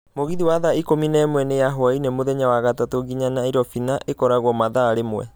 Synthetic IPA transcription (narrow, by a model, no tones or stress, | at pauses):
moɣiðiwaðaikominɛmwɛnejaɦoainemoðɛɲawaɣatatoɡiɲanaiɾɔfinaʔekɔɾaɣwɔmaðaːɾemwɛ̰